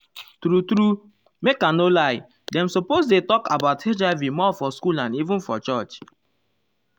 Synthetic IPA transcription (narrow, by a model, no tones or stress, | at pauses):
tɾutɾu | mekãnolaɪ | dɛ̃msɔpozdetɔkabaʊthed͡ʒaɪvimɔfɔskulãnivũnfɔt͡ʃɔt͡ʃ